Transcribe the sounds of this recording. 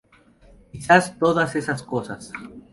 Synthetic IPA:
kisast̪oðasesaskosa̰s

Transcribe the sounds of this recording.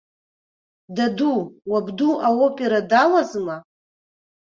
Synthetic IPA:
daduwabduʔaopʼeɾadalazma

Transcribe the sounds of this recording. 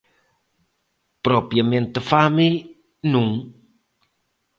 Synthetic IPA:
pɾopjəment̪əfami | nuŋ

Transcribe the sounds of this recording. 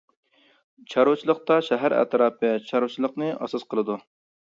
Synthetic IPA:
t͡ʃʰɑɾʊt͡ʃʰilˠəq̚t̪ɑʃɛɦæɾæ̰t̪ʰɾɑːpɨt͡ʃʰɑɾut͡ʃʰilˠəqnɨʔɑ̰sɑsqəlˠɨd̪u

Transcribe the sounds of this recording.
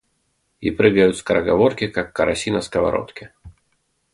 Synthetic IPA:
ḭpɾɨɡəjʊt̪skɐɾɐɡɐvorkʲɪkakːɐɾɐsʲinɐskɐva̰ɾo̰t̪kʲɪ

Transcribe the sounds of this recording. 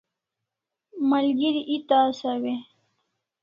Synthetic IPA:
malɡiɾiʔit̪asawe

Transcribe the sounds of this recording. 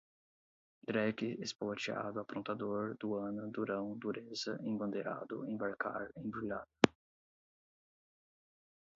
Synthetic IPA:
d̪ɾɛkɪespalot͡ʃia̰d̪ʊapɾõnt̪ad̪oɾd̪ʊɐ̃nʊd̪uɾɐ̃w̃d̪uɾezɐʔẽbɐ̃nd̪eɾa̰d̪ʊ̰ẽj̃baɾka̰ɾẽj̃bɾilad̪ɐ

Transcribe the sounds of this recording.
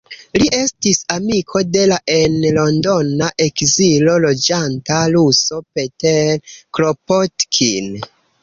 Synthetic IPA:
liʔe̞stisamikʰo̞de̞laʔe̞nlo̞ndo̞naʔe̞kzilo̞lo̞d͡ʒantaluso̞pe̞telkɾopotkʰin

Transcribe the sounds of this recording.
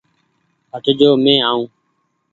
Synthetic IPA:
ɦəʈd͡ʒoːmẽːaːũː

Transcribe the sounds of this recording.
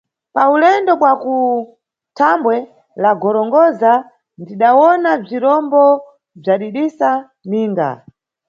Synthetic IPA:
paulɛndɔɓwaku | tʰambwɛ | laɡɔɾɔŋɡɔza | ndiɗawɔnab͡ʐiɾɔmbɔ | b͡ʐaɗiɗisa | niːŋɡa̰

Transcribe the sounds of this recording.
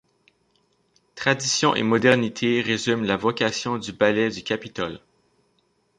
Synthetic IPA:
t̪χad̪isjɔ̃ʔḛmɔd̪ɛʁnit̪ʰeʁezymlavɔkʲasjɔ̃d̪ybalɛd̪ykʲapit̪ɔl

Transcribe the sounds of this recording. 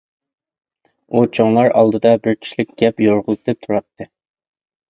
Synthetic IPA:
ut͡ʃʰoŋlˠɑɾɑ̰lˠd̪ɨd̪ɑbɪɾkʲʰi̥ʃilɪk̚ʲɡ̥ʲɛpjoɾʁʊlˠd̪ɨp̚t̪ʰuɾɑt̪ʰːɨ

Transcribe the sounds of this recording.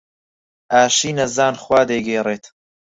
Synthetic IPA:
ʔaːʃiːnɐzaːnχwaːd̪ejɡeːreːt̪

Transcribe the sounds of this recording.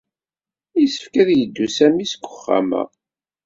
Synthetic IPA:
isə̥fkæðjəd̪ːusæmisɡʷə̥χːa̰mæ̰

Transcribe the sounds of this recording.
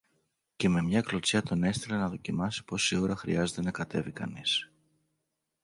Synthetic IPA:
ce̞me̞mɲɐklo̞t͡sɐt̪o̞ne̞st̪ilenɐðo̞cimɐsi̥po̞sioɾɐxɾḭɐze̞t̪e̞nɐkɐt̪e̞vikɐ̰nis

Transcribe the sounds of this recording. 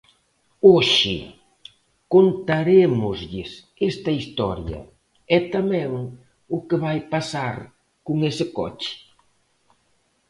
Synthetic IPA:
oʃɪ̰ | kont̪aɾemʊzʎɪs | ɛst̪ɐist̪ɔ̰ɾjɐ̰ | ɛt̪amɛ̃ŋ | ʊkɪβajpasaɾ | kʊŋesɪkɔ̰t͡ʃɪ̥

